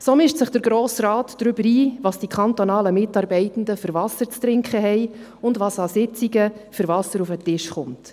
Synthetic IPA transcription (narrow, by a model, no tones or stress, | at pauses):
somɪʃtsəχd̥əɾɡɾoːsrɑːtd̥ɾʏbəɾiːʋɑːsd̥ikʰχɑnt̪onɑːləmɪtɑːɾbɛɪtən̩dəfʏɾvɑsəɾt͡st̪ɾɪŋkχəɦɛɪ | ʊndʋɑːsɑsɪt͡siɡəfʏɾvɑsəɾufətɪʃχʊmt